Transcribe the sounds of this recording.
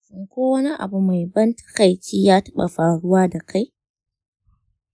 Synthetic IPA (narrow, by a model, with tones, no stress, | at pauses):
sʊ˨ŋkʷoː˦wɐ˦ni˦ʔa̰˨bu˨ma˨jbɐ˦ntḁ˦ka˨jt͡ʃiː˦jaː˦tɐ̥˦ɓa̰˨ɸaː˨ɽʊ˦waː˦da˨kʰa˦j